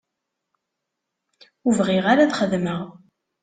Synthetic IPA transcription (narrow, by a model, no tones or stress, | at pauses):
uvʁɪʁaɾaðχəðməʁ